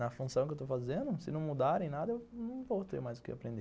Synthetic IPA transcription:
ɐfũsɐ̃w̃kɪewt̪owfazẽnd̪ʊsɪnɐ̃w̃mud̪aɾẽj̃nad̪ɐewnɐ̃w̃vowt̪ḛɾmajzd̪ʊkɪ̰apɾẽnd̪e

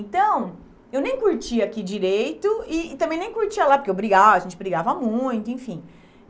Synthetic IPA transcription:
ẽnt̪ɐ̃w̃ | ewnẽj̃kuɾt͡ʃiɐakid͡ʒiɾejt̪ʊɪːt̪ɐ̃mbẽj̃nẽj̃kuɾt͡ʃiɐlapʊɾkewobɾiɡavɐɐʒẽnt͡ʃɪbɾiɡavɐmũj̃t̪ʊẽfĩ

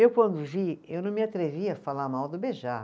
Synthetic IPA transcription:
ewkwɐ̃nd̪ʊviewnɐ̃w̃mɪat̪ɾeviɐfalaɾmawd̪ʊbeʒa

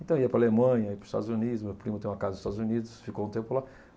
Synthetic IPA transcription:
ẽt̪ɐ̃w̃iɐpɾalemɐ̃ɲɐipɾʊz̥iʃt̪a̰d̪zunid̪ʊzmewpɾimʊt̪ẽj̃ũmɐkazɐd̪ziʃt̪ad̪zunid̪ʊsfikoũt̪ẽmpʊla

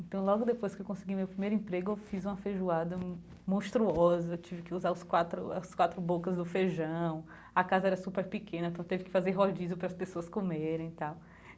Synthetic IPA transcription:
ẽnt̪ɐ̃w̃lɔɡʊd̪epojskɪewkõsɪɡimewpɾimejɾʊĩpɾeɡʊewfizũmɐfeʒuad̪ɐ | mõst̪ɾuɔzɐt͡ʃivɪkɪuzaɾʊskwat̪ɾʊ̰ɐ̰skwat̪ɾʊbokɐzd̪ʊfeʒɐ̃w̃ | ɐkazɐɛɾɐsupeɾpɪkẽnɐ̃t̪ɐ̃t̪evɪkɪ̥fazeɾɦod͡ʒizʊpɾɐspesoɐskomeɾẽj̃t̪aw

